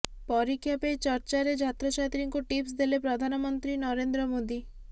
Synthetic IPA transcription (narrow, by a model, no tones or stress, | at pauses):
pɔɾikʰːjapet͡ʃɔɾt͡ʃaɾed͡ʒat̪ɾɔt͡ʃʰat̪ɾiŋkuʈips̬d̪elepɾɔd̪ʱanɔmɔnt̪ɾinɔɾend̪ɾɔmod̪i